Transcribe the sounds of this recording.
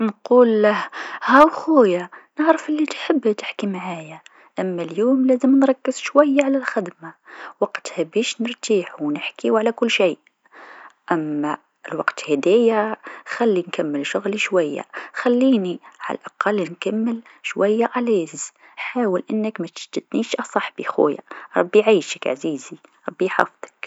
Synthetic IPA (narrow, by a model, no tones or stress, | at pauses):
nquːlhhæwxujanəʕɾəfʔɪlːit̪ħəbːt̪ɪ̥ħkimaʕaja | ʔæmːæljuːmlæzəmnɾˤɑkːəz̥ʃwæjːaʕalælxɪd̪mawɑqt̪hæbiʃnəɾˤt̪iːħuwnəħkiwʕalækʊlːʃiːʔ | ʔæmːæ | lwɑqt̪hɪd̪æːjaxalːinkamːɪlʃʊɣliʃwajːa̰xalːiːniʕa̰la̰lʔɑqɑlːnkamːɪl | ʃwajːaʔaleːz | ħaːwəlʔɪnːəkmæt̪ɪ̥ʃd̪ɪd̪niʃʔɑsˤɑħb̥ixṵja̰ɾˤɑbːiʕaːʃəkʕa̰ziːziɾˤɑbːiħɑ̰ːft̪ə̥k